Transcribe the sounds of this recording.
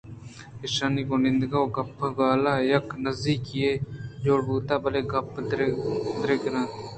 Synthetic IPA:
ɪʃaːniːkõːnɪnd̪ɡaːoːɡəpːɡaːlaːjəknəziːkɪeːd͡ʒoːɽbuːt̪aːbəleːɡəp̪ | d̪ɾeɡɾãː

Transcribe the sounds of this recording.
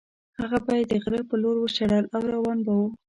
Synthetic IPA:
haɣabɑjad̪ːəɣɾaɾpəloɾwəʃaɽalawɾawɑnbawu

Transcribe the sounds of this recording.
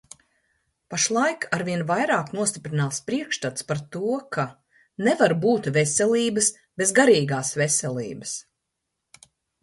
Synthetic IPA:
paʃlˠajkaɾvʲiɛnvajɾaːknuɔst̪ʲipɾinaːlspɾiɛkʃt̪at̪spaɾt̪uɔkʰa | nevaɾbuːt̪vɛsʲɛliːbɨs | b̥ezɡaɾiːɡaːsvɛsʲɛlˠḭːbɐs

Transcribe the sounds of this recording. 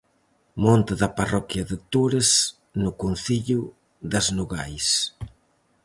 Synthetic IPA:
mɔnt̪ɪðɐparɔkjɐðɪt̪uɾes | nʊkun̟θiʎʊ | ðɐznuɣajs

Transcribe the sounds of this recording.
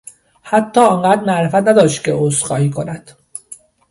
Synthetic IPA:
hæt̪ʰːɒːɒŋɢæːd̪mæʔɾefæt̪næd̪ɒːʃt̪cʰʲeʔosɢɒːiːkʰonæd̪̥

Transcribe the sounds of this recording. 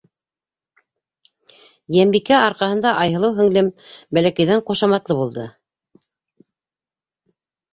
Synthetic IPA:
jæmbikæɑɾqɑhɤ̆nd̪ɑʔɑjɤ̆lˠɤwɦɵ̆ŋlɘmbælækæ̆jðæɴqŏʃɑmɑt̪lˠɤβulˠd̪ɤ

